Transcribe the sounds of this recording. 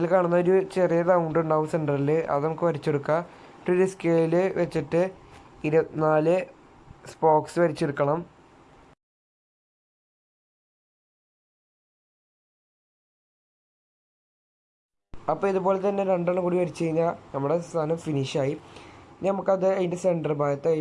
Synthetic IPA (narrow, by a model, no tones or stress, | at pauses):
ilkaːɳunːɐoɾut͡ɕerijɐðaːuɳɖuɳɖawseɳɖɐrilɨʔɐ̰ðɨnɐmukːɨʋɐɾit͡ɕːeɽukːɐ | uɾiskeːlilɨʋet͡ɕːiʈːɨiɾɐnaːlɨ | spo̞ːksɨʋɐɾit͡ɕːeɽukːɐɳɐm | ɐpːoːiðuboːlet̪ɐnːe̞ɾeɳɖaːɳɐŋkuːɽiʋɐɾit͡ɕːt͡ɕejɲːɐnɐmːuɽest̪ʰaːnɐmfiniʂaːjinɐmukːɐðɨejndɐseɳɖɐrbʱaːjɐt̪ːe